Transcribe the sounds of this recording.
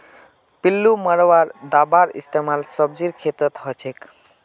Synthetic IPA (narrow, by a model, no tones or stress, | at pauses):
pilːumaɽɔwaɾd̪abaɾḭst̪emalsɔb̚d͡ʑiɾkʰet̪ɔt̪ɦɔt͡ʃʰek